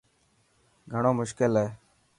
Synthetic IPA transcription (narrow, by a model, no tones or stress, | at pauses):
ɡʱəɳ̃oːmʊʃkɪlɦeː